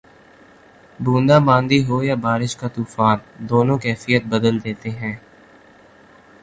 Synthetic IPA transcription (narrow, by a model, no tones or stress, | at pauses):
bũːnd̪aːbãːnd̪iɦoːjabaːɾɪʃkat̪uːfaːnd̪oːnõkɛːfijət̪̚bəd̪əld̪eːt̪eɦɛ̃ː